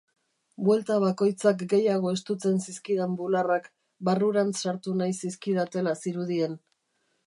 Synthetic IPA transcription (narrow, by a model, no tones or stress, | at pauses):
bwe̞lt̪aβ̞ako̞jt͡sakɡe̞jaɣ̞o̞e̞st̪ut͡se̞nsiskiðembularak | baruɾansaɾt̪unajsiskiðat̪e̞lasiɾuðien